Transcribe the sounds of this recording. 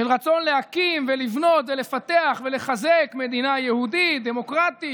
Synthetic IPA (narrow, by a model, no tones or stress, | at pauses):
ʃelʁat͡so̞nle̞hakimvelivno̞t̪ve̞le̞fat̪eaχve̞le̞χazekme̞d̪inajehud̪id̪e̞mo̞kʁat̪i